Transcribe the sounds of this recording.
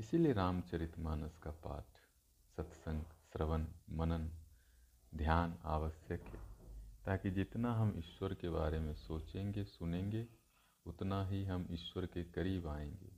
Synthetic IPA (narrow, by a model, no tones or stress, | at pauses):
ɪsilieɾaːmt͡ʃɐɾɪt̪maːnəskapa̰ːʈʰ | sɐt̪sə̃ŋɡsɾəʋənmɐnən | d̪ʱjaːna̰ːʋəsjəkɦɛ̰ːt̪aːkid͡ʒɪt̪naɦɐmɪ̰ʃwəɾkebaːɾemẽsoːt͡ʃẽːŋɡesʊnẽːŋɡe | ʊt̪naɦiɦɐmɪʃwəɾkekɐɾiːbaːẽːŋɡḛː